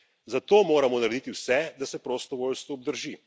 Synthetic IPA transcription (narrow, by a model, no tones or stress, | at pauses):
zat̪oːmoːɾamɔnaɾed̪it̪iwsɛd̪asɛpɾoːst̪ɔʋoːlst̪ʋɔːb̚d̪əɾʒi